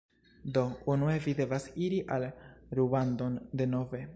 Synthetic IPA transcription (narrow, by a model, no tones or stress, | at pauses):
do̞unue̞vide̞vasiɾiʔalɾubando̞nde̞no̞ve̞